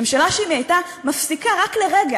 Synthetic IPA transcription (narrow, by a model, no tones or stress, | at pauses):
emʃalaʃeimiajta | mafsikaʁakleʁeɡa